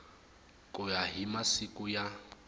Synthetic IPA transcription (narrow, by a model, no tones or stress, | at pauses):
kʼʊjaɦimasikʼʊja